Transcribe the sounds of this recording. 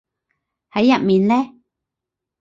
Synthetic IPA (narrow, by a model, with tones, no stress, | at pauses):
ha˨˦ja˦˨ʔmĩ˨nle˦